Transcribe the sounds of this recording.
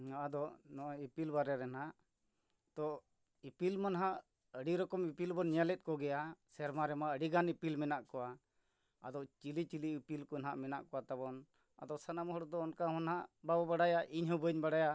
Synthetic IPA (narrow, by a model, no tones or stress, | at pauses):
naʔad̪ɔnɔʔaipilbaɾɛɾɛnaʔ | t̪ɔ | ipilmanɦaʔ | əɽiɾɔkɔmipilbɔnɲalɛt̪̚ˀkɔɡɛjasɛɾmaɾɛmaʔəɖiɡanipilmɛnaʔkɔwa | a̰d̪ɔʔt͡ʃilit͡ʃiliipilkɔnɦaʔmɛna̰ʔkɔat̪aβɔn | a̰d̪ɔʔsanamɔɦɔɽɔd̪ɔːnkamɔnhaʔbabɔbaɽajaʔiɲɦɔbəɲbaɽaja